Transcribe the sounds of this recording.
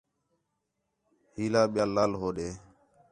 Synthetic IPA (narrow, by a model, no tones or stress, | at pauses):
ɦiːlaːɓɪjaːlːaːlɦoːɗeː